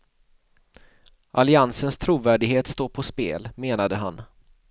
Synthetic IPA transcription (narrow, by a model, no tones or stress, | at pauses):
ʔalɪansənst̪ʰɾuːvæːɖɪɡɦeːt̪st̪oːɾpʰɔspḛːlmeːnad̪əɦa̰n